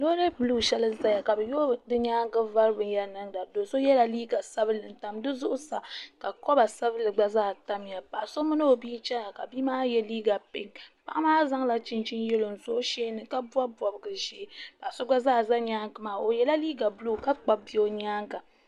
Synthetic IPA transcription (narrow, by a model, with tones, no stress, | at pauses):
lo˦ɾe˦bɨ˨luː˦˨ʃɛ˦lɨ˦za˦ja˨ka˨bɛ˨jo˦˨dɨ˦ɲaː˦ŋ˦ɡɨ˦va˦ɾɨ˦bɨ˨nja˦nɨ˦ŋda˨do˨so˦jɛ˦la˨liː˦ɡa˨sa˦bɨ˦lɨ˨n˨ta˨mdɨ˦zʊ˦ʔʊ˦sa˨ka˨kɔ˦ba˨sa˦bɨ˦lɨ˨ɡ͡ba˦zaː˦˨ta˦mja˨pa˨ʔso˦mɨ˦nɨ˦o˨biː˦t͡ʃɛ˦na˨ka̰˨bi˦maː˦jɛ˦liː˦ɡa˨pɪ˦ŋk͡pa˦ʔa˦maː˦za˦ŋla˨˦t͡ʃɪ˦nt͡ʃi˦njɛ˦lo˨n˨zo˦ʃeː˦nɨ˨ka˦bu˦a˦bɔ˨bɨ˨ɡɨ˨ʒeː˦pa˨so˦ɡ͡ba˦zaː˦˨za˦ɲaː˦ŋkɨ˨maː˨o˨jɛ˦la˦liː˦ɡa˨bʊ˦luː˦˨ka˦k͡pa˨bi˦o˦ɲaː˦ŋɡa˨